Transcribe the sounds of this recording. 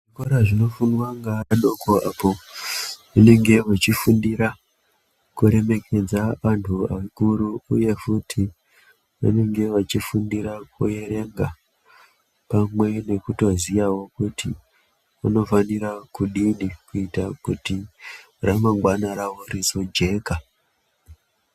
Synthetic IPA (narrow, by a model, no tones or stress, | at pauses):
ʐʐikoɾaʐino̞funwaŋɡaɗokoʔapo̞ | une̞ŋɡe̞ʋat͡ʃifundiɾa | kuɾe̞me̞kʰe̞d͡zaʋantʰua̰ikuɾuuje̞futʰi | ʋa̰ne̞ŋɡe̞ʋat͡ʃifundiɾakʰuje̞re̞ŋɡa | pamwe̞ne̞kuto̞zijawo̞kuti | ʋa̰no̞fanirakuɗinikuitakuti | ramaŋɡwanaɾawoɾisod͡ʒe̞ːka